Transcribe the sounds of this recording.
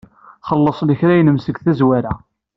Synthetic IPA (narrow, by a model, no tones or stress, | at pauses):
χəlːəsˤləçɾæjnəmsəɡθæzwaɾæ